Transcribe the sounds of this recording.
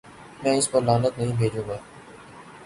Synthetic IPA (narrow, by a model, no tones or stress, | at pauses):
mɛ̃ːɪspɐɾlaːnət̪nɐɦĩːbʱeːd͡ʒũːɡaː